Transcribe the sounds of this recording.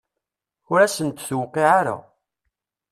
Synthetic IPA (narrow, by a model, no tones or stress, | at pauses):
ʊɾæsənt̪θwqːiʕaɾa̰